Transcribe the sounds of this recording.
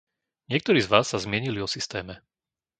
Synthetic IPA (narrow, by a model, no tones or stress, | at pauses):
ɲɪɛk̚t̪ɔɾiːzʋaːsːazmɪɛɲiliɔsist̪ɛːmɛ